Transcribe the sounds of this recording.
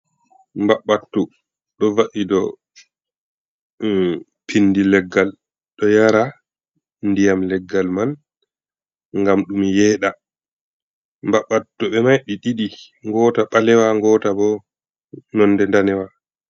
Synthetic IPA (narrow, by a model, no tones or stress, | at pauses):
mbaɓːatːu | ɗɔvaʔidɔ | pʰinːdilɛɡːal | ɗɔjaɾa | ndijamlɛɡːalman | ŋɡamɗumjɛːɗa | mbaɓːatːuɓɛmajɗiɗiɗi | ŋɡɔːtaɓalɛwaŋɡɔːtabɔ | nɔnːdɛndanɛwa